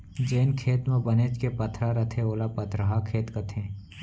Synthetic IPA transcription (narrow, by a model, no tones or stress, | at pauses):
d͡ʒeːnkʰeːt̪mɐ̃bɐneːt͡ʃkepɐt̪ʰɾaɾɐt̪ʰẽoːlapɐt̪ɾɐɦakʰeːt̪kɐt̪ʰẽː